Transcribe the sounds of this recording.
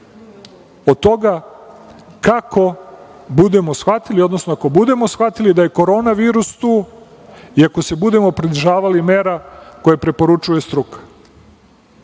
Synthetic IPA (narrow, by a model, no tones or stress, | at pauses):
od̪̚t̪o̞ɡa | kako̞bud̪e̞mo̞sxʋat̪ilio̞d̪no̞snoako̞bud̪e̞mo̞sxʋat̪ilid̪aje̞ko̞ɾo̞ːnaʋiːɾust̪uː | iako̞se̞bud̪e̞mo̞pɾid̪rʒaːʋalime̞ːɾako̞jepɾe̞po̞ɾut͡ʃuje̞st̪ɾukḁ